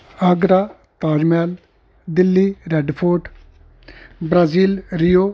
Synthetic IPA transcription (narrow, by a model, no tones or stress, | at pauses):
əɡɾaː | t̪aːd͡ʒmɛːl | d̪ɪlːiːɾɛɖpʰoːʈ | bɾaːziːlɾijoː